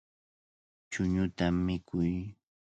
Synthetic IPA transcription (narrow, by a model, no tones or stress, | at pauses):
t͡ʃʊɲʊt̪amːɪkʰʊj